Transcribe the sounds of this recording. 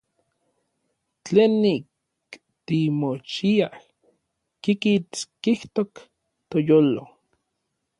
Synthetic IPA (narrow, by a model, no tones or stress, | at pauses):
t͡ɬeːnːik | t̪imot͡ʃiah | kikit͡skiht̪ok | t̪ojoːlo